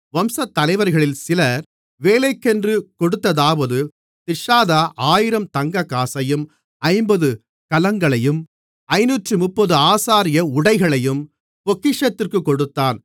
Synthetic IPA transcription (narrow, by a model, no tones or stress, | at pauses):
ʋɐmsɐt̪ːɐlɐɪʋɐɾɣɐɭɪlsɪlɐɾ | ʋeːlɐɪkːɛndrɯkɔɽɯt̪ːɐðaːʋɐðɯ | t̪ɪʂaːðaʔaːjɪɾɐmt̪ɐŋɡɐkːaːsɐjɯm | ɐɪmbɐðɯ | kɐlɐŋɡɐɭɐjɯm | ɐɪnuːʈrɯmʊpːɔðɯaːsaːɾɪjɐʊɽɐɪɣɐɭɐjɯm | pɔkːɪʂɐt̪ːɪrkɯkːɔɽɯt̪ːaːn